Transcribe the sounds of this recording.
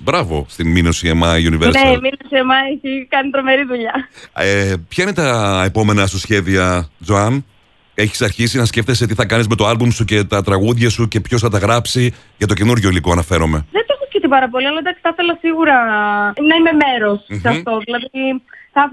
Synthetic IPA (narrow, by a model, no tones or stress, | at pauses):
bɾɐvo̞̰st̪imino̞siemɐiuniveɾsneminosiemɐeçikɐnit̪ɾo̞me̞ɾiðuʎɐepçɐinet̪ɐepo̞me̞nɐsusçe̞ðiɐd͡zoɐm | e̞çi̥sɐɾçisinɐsce̞ft̪eset̪iθɐkɐnizme̞t̪o̞ɐlbumsuce̞t̪ɐt̪ɾɐɣuðʝɐsuce̞pço̞sθɐt̪ɐɣɾɐpsi | ʝɐt̪o̞cenuɾʝo̞ilikoɐnɐfe̞ɾo̞me̞ðet̪oexoskift̪ipɐɾɐpo̞liɐlɐd̪ɐksi̥θɐθe̞lɐsiɣuɾɐnɐime̞me̞ɾo̞ssɐt̪o̞ðilɐðiθɐ